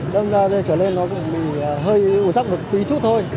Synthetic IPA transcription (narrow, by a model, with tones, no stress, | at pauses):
ɗə˧wŋ͡mzaː˧zə˧˩t͡ɕəː˧˩le˧nːɔ˨˦kʊ̰˧˥ŋ͡mɓḭ˧˩˨ɦəː˧jʔu˧˩nt̪a˦˥wk͡p̚ɗɨ˨˩ə˩k̚t̪i˨˦t̪ʰu˦˥t̪ʰo˧j